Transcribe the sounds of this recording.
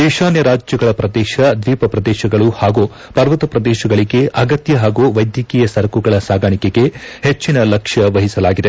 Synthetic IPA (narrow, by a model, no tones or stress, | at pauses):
d̪ɛːʃaːnjɐɾaːd͡ʒjɐɡɐɭɐpɾɐd̪ɛːʃɐd̪ʋiːpɐpɾɐd̪ɛːʃɐɡɐɭuhaːɡu | pɐɾʋɐt̪ɐpɾɐd̪ɛːʃɐɡɐɭiɡe̞ʔɐɡɐt̪jɐɦaːɡuːʋɐjd̪jɐkiːjɐsɐɾɐkuɡɐɭɐsaːɡʱaɳikeɡe̞het͡ʃːinɐlɐkʂɐʋɐɦisɐlaːɡid̪e̞